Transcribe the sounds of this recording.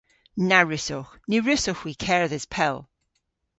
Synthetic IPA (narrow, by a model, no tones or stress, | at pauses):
naɹʉsoxniɹʉsoxwikʰɛɹðɪspʰɛlˠ